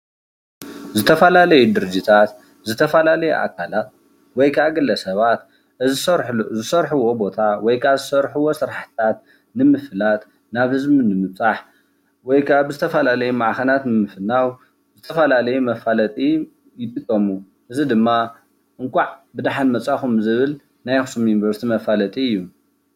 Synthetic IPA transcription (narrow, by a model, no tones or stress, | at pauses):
zɨt̪ʰɐfɐlalɐjud̪ɨɾɨd͡ʒit̪ʰat̪ | zɨt̪ʰɐfɐlalɐjṵʔa̰kʰalat̪̚ | wɔjkʰaaɡɨlɐsɐβat̪ | zɾzɨsɐɾħuwobo̞t̪ʰawɔjkʰazɨsɐɾħuwosɨɾaħt̪ʰat̪̚ | nɨmɨfɨlat̪ | naβhɨzbinɨmɨβt͡sʼaħ | wɔjkʰaaβzɨt̪ʰɐfɐlalɐjumaʕxɐnat̪nɨmɨfɨnːaw | zɨt̪ʰɐfɐlalɐjumɐfalɐt̪ʼi | jɪt̪ʼɨkʼːɐmu | ʔɨzid̪ɨmːa | ʔɨŋkʷʼaʕbɨd̪aħanmɐt͡sʼaxumzɨβɨl | najxɨsumjunivɐɾst̪ʰimɐfalɐt̪ʼiɨjːu